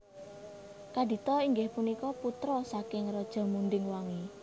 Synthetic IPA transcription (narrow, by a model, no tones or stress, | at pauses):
kadi̤t̪ɔiŋɡɪhpunikɔput̪ɾɔsakɪŋrɔd̥ʒ̥ɔ̤mund̪ɪŋwaŋi